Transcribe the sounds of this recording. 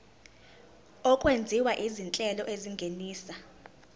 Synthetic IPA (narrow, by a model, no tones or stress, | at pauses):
ɔkʼwend͡zʱiwaʔizint͡ɬʼɛlɔʔeziŋɡʱeniːsa